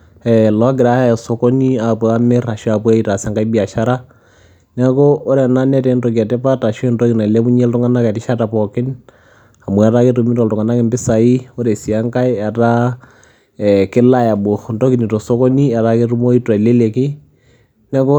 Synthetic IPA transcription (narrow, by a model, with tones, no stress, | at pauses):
ɛ˨lɔ˨˦ɡ̬ɪ˨ɾa˨˦ja˦ɛ˨sɔ˨ko˦ni˦a˨pɔ˨a˦mɛ˦ra˨ʃu˦a˨pɔ˦a˦i˨ta˨sɛ˨ŋka˦i˦bi˦a˨ʃa˦ɾa˦ | nɛ˦kɔ˦o˦ɾɛ˨na˦nɛ˦tɛ˨˦ntɔk̬i˨a˨tɛ˦pa˦ta˨ʃɛ˦ntɔ˦kɪ˨na˨i˨lɛ˦bu˦ɲɛ˦ltʊ˦ŋa˦na˦kɛ˨tɪ˦ʃa˦ta˨pɔ˨kɪ˦n | a˨mu˨a˨˦ta˦ke˦tu˨mi˦tɔ˨ltʊŋa˨na˦kɪ˨mbɪ˦sa˨i˦o˦ɾɛ˨si˨a˦ŋka˦i˦a˨ta˦ | kɪ˦la˦ja˨bo˨ntɔ˦ki˨ni˨tɔ˨sɔ˦kɔ˦ni˦a˨ta˦ke˦ɾu˦mo˦i˦ta˨i˨le˦le˨kɪ˦ | nɛ˦kɔ˦